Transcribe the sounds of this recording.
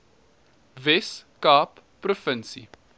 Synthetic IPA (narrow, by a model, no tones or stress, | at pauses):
vɛskɑːpːrofənsḭ